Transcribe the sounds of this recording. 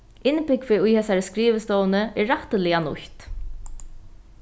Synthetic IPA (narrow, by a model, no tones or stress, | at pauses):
ɪnpɪkʋɪʊjhɛːsaɹskɾiːʋəst̪ɔːwnəʔɛːaht̪əlɪanʊ̰çt̪